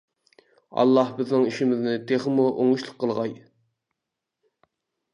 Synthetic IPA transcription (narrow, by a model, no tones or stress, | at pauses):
ɑ̰lˠːɑhbɪznɪŋiʃimɪznɪt̪ʰeχmuʔoŋuʃlˠəqʰːəlˠʁɑj